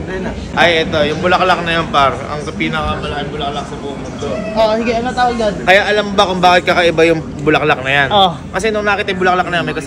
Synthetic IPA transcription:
ʔɐjʔɛt̪o̞jʊŋbʊlɐklak̚nɐjonpaɾɐ̰ŋɐpiːnɐkɐmɐlɐkɪŋbʊlɐk̚lak̚sɐbʊʔʊŋmʊnd̪oʔoʔsɪɡɪɐnat̪awoɡad̪kɐjaʔɐlambɐkʊŋbaːkɪt̪̚kɐkɐʔɪbajʊŋ | bʊlɐklak̚nɐjanʔo | kɐsɛnʊŋnaːkɪt̪ɐjbʊlɐk̚lɐk̚nɐjanmɐjkɐs

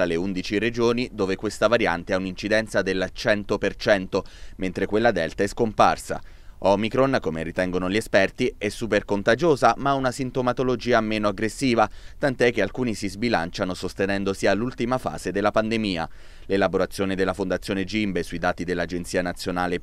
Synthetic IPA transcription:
aleund̪it͡ʃired͡ʒoːnid̪oːvekwest̪avaɾja̰nt̪eaunint͡ʃid̪ɛnt̪sad̪elːt͡ʃɛnt̪opert͡ʃɛnt̪oment̪ɾekwelːad̪ɛlt̪aɛskompa̰rsa̰ | ɔmikɾonkomerit̪ɛŋɡonoʎiespɛrt̪iɛsːuːperkont̪ad͡ʒoːzamaaunasint̪omat̪olod͡ʒiːameːnoaɡɾesːiːvat̪ant̪ɛk̟ːealkuːnisizbilant͡ʃanosost̪enɛnd̪osiːalːult̪imafa̰ːz̥ed̪elːapand̪emiːa̰ | lelaboɾat̪sːjoːned̪elːafond̪at̪sːjoːned͡ʒimbesuid̪aːt̪id̪elːad͡ʒent̪siːanat̪sjonaːle

